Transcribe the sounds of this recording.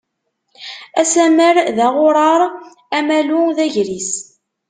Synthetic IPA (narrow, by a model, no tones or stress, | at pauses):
æsæməɾðæʁʊɾˤɑɾˤ | æmæluðæʝɾis